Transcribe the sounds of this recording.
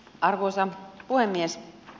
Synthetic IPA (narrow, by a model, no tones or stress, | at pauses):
ɑrkusɑpuhemːies